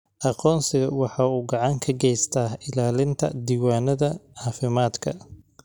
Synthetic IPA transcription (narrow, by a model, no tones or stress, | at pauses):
ʔɑqɔːnsɪɣɐ̰wɑħɑːuːɡɑʕɑŋkʰɐɡɛjst̪ʰaːhɪlaːlɪnt̪ʰɐ̰d̪iːwaːnɐðɐɑːfɪmaːd̪kʰɐ̰